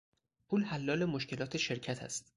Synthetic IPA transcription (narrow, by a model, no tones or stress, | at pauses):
pʰulhælːɒːle̞moʃce̞lɒːt̪ʰeʃe̞ɾcʰæt̪ʰæ̰st̪